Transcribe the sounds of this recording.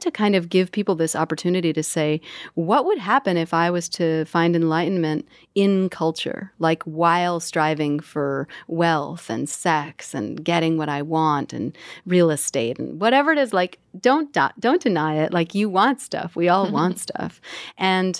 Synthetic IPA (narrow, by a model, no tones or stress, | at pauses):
tʰɨkʰãɪ̃ndʌvɡɪv̥pʰipl̩ˠðɪsɑpə˞tʰʉnɨɾiɾɨseɪwʌʔ̚wəd̚ɦæpɨ̃nɨfaɪwʌz̥tʰɨfãɪ̃ndɨ̃nlaɪʔn̩mɨ̃nt | ɪ̃nkʰʌlˠt͡ʃə̰˞laɪkʰwaɪlˠstɹ̥aɪvɪ̃ŋfə˞wɛlˠθɨ̰̃nsɛksɨ̰̃nɡɛɾɪ̃ŋwʌɾaɪwɑ̃ntɨ̰̃nɹilˠəsteɪɾ̃n̩wʌɾɛvə˞ɨɾɨzlaɪk | d̥õʊ̃nd̥̰d̥õʊ̃nd̥ɨnaɪɪʔlʔaɪkjɨwɑ̃ntstʌ̰fwiɔlˠwɑ̃ntstʰʌ̰fʔɨ̃n